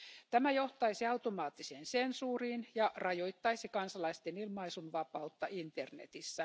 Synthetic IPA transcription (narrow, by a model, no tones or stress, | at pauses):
t̪æmæjo̞ht̪ɑisiɑut̪omɑːt̪ːiseːnsensuːriːnjɑʔrɑjojt̪ːɑisikɑnsɑlɑist̪enilmɑisunʋɑpɑut̪ːɑʔint̪ernḛt̪isːæ